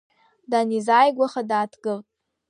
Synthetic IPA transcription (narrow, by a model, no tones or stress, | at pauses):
danizajɡʷaχadaːtʰɡ̥ɨltʼ